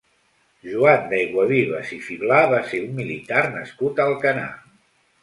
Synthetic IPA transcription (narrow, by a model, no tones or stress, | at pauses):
ʒuand̪ajɣwəβiβəzifiβlaβaseummilit̪arnəskut̪əlˠkəna̰